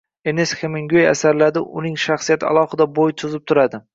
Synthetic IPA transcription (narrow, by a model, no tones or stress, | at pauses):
enesxemeŋɡʲoja̰saɾlad̪ɪʔʊnɪŋʃaχsijat̪ʰɪa̰lˠɒhɪd̪abojt̪ʰʊzɪp̚t̪ʰʊɾad̪ɪ